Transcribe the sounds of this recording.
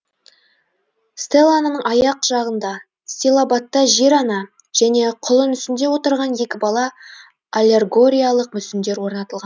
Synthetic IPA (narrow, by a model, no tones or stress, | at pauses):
st̪elˠananəɴɑjɑqʒɑʁənd̪ɑ | st̪ʲelˠabɑt̪ːɑʒe̞ɾɑnɑ | ʒ̥æne̞qʰʊlˠənʏsɪnd̪e̞wo̞t̪əɾʁɑnje̞kʲɪbɑlˠɑ | alʲe̞rɡo̞ɾʲijalˠəq̚mʏsɪnd̪e̞ɾwo̞ɾnɑt̪əlˠʁɑn